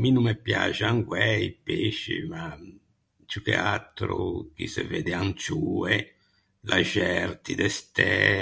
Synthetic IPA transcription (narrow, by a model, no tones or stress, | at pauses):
minumepja̰t͡ʃaŋɡwɛipeʃḭma | t͡ʃukḛat̪ɾṵk̟ḭsḛveːd̪eant͡ʃue | lʔaʒɛɾt̪id̪ɛst̪ɛ